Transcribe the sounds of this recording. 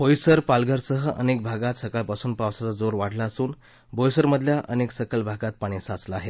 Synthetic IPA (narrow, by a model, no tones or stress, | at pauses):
bojsəɾpalɡəɾsəɦəʔə̰nek̚bʱaɡat̪səkalpasuːnpaʋsat͡sad͡zoɾʋaɽlaːsuːn | bʱojsəɾməd̪ʱljaʔəneksəkəlbʱaɡat̪̚paɽ̃isat͡slaaɦe